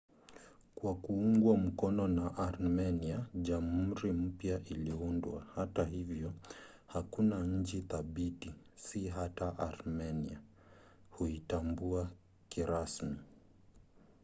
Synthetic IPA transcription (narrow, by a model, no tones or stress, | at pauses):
kwakuuŋɡwam̩kɔnɔnaʔaɾmɛniaʄam̩ɾim̩pjaʔiliundwa̰hataɦivjɔ | hakunaɲ̩t͡ʃiθaɓitisiɦataʔaɾmɛnia | huitambua | kiɾasmi